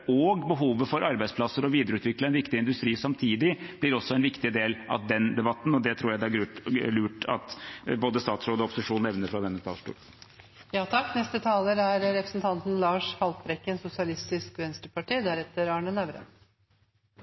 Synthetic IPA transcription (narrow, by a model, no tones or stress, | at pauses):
ɔɡbəɦuːʋəfɔɾʔɑɾbæɪsplɑsːəɾɔʋiːd̪əɾəʉːt̪ʋɪklɑɛnʋɪkt̪ɪɪnd̪ʉst̪ɾiːsɑmt̪ʰiːd̪ɪb̥lɪɾɔsːɔɛnʋɪkt̪ɪd̪eːlʔɑ̰td̪ɛnd̪ɛbɑt̪ːn̩ɔd̪ɛt̪ʰɾuːjæɪd̪ælʉːʈɑ̰t̪boːd̪əst̪ɑːt̪sɾoːd̪ɔpʊ̥sɪʂuːnɛʋnəɾfɾɑd̪ɛnːət̪ʰɑ̰ːʂʈṵːɾ | jɑːt̪ʰɑkːnɛst̪ət̪ʰɑːləɾæɾɾɛpɾəsnt̪ʰɑnt̪n̩lɑːʂhɑlt̪ɾɛkːənsʊsɪɑlɪst̪ɪskʋɛnst̪ɾəpɑʈiːd̪æɾɛt̪ːəɾɑːɳənæʋɾə̰